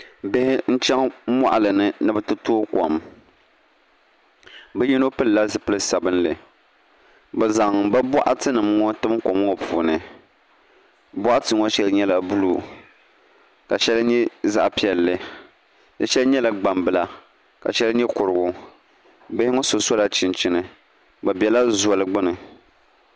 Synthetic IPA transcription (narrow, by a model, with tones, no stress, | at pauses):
bɪ˦hɪ˦n̩˦t͡ʃɛ˦ŋma̰˦ʔa̰˨lɨ˨nɨ˦nɨ˦bɛ˦tɨ˦toː˦ka̰˨m | bɛ˦jɛ˦no˦pɨ˦lla˦zɨ˨pɨ˦lɨ˦sa˨bɨ˦nlɨ˨ | bɛ˨za˨ŋba˦bɔ˦ʔa˦tɨ˦nɨ˨mŋɔ˦tɨ˦m˦ko˨m˦ŋɔ˦pʰu˨nɨ˨ | bɔ˦ʔa˦tɨ˨˦ŋɔ˦ʃɛ˦lɲɛ˦la˨bu˦lu˦˨ | ka˨ʃɛ˦lɨ˦ɲɛ˦za̰˦ʔpi˦ɛ˨lːɨ˨ | dɨ˦ʃɛ˦lɲɛ˦la˨ɡ͡ba˨mbɨ˦la˦ | ka̰˨ʃɛ˦lɨ˦ɲɛ˦kʊ˨ɾɨ˨ɡʊ˨ | bɛ˦hɪ˦ŋɔ˦so˦sɔ˦la˨˦t͡ʃɪ˨nt͡ʃɪ˦nɨ˨ | bɛ˨bʲɛ˨la˦za˨lɨ˨ɡ͡bɨ˦nɨ˨